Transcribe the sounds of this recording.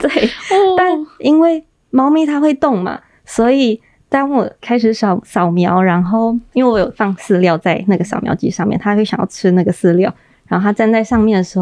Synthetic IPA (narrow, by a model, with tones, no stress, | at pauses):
t̪we˥˩ɪt̪a˥˩ni˥nwe˥˩ɪ | mɑ˧˥ʊmi˧˥t̪ʰa˥xwe˥˧ɪt̪ʊ˥˩ŋma̰˨˩ | swɔ˧˥i˨˩ | t̪a˥nwɔ˨˩kʰa˥ɪʂɻ̩˧˥ʂɑ˨˩ʊʂɑ˨˩ʊmjɑ˧˥ʊɻa˧˥nxo˥˩ʊi˥nwe˥˩wjɔ˨˩fɑ˥˧ŋsɹ̩˥˧ljɑ˥˧ʊt͡sa˥˧ɪna˥˩ɡə˩ɕɑ˨˩ʊmjɑ̰˧˥ʊt͡ɕy̰˥˧ʂɑ˥˧ŋmjɛ̰˥˩nt̪ʰa˥˧˥ɕjɑ̰˨ŋjɑ˥ʊʈ͡ʂʰɻ̩˥na˥˩ɡə˩sɹ̩˥˧ljɑ˥˩ʊ | ɻa˧˥nxo˥˩a˥t͡snt͡sa˥˧ɪʂɑ˥˧ŋmjɛ˥˩nd̪ə˩ʂɻ̩˧˥xo˥˩